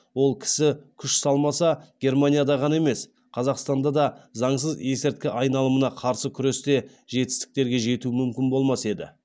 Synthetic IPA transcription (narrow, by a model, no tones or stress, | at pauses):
wo̞lˠkʲʰɪ̥sɪkʲʰʏʃsɑlˠmɑsɑɡʲe̞rmanʲijad̪ɑʁɑne̞me̞s | qʰɑzɑqst̪ɑnd̪ɑd̪ɑzɑɴsəze̞sɪɾt̪̚kʲɪʔɑjnɑlˠəmənɑqʰɑɾsəkʲʰʏɾe̞st̪e̞ | ʒe̞t̪ɪ̥st̪ɪ̥k̚t̪e̞ɾɡʲe̞ʒe̞t̪uɪmʏmkʲɪnbo̞lˠmɑse̞d̪ɪ̰